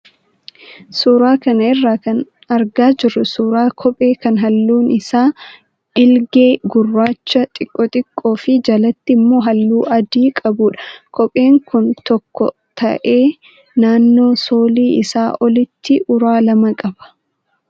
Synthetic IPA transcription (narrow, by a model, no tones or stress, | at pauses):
suːɾaːkɐnɐɪrːaːkɐn | ɐɾɡaːd͡ʒɪrːʊsuːɾaːkʰɔpʼe̞ːkɐnɦɐlːuːnɪsaː | ɪlɡe̞ːɡʊrːaːt͡ʃːɐt̪ʼɪkʼːɔt̪ʼɪkʼːo̞ːfɪd͡ʒɐlɐt̪ːɪmːo̞ːɦɐlːuːʔɐd̪iːkʼɐbʊːᶑɐ̥kʰɔpʼe̞ːŋkʊnt̪ɔkːɔ̰ | t̪ɐ̰ʔe̞ː | naːnːo̞ːso̞ːliːʔɪsaːʔɔlɪt̪ːɪʔʊɾaːlɐmɐkʼɐb̥ɐ̥